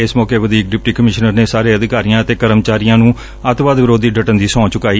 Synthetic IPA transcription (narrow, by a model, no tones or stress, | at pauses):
ɪsmɔːkeːʋəd̪iːk̚ɖɪp̚ʈiːkəmɪʃnəɾneːsaːɾeːəd̪ɪkaːɾijãːət̪eːkəɾəmt͡ʃaːɾijãːnũː | ət̪ʋaːd̪ʋɪɾoːd̪iːɖəʈənd̪iːsɔ̃ːt͡ʃʊkaːiː